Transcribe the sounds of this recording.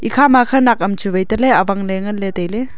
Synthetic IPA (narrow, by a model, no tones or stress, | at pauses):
ʔikʰaːmakʰɐnak̚ɐmt͡ʃuvɐjt̪ɐlɛʔɐvɐŋlɛŋɐnlɛt̪ejlɛ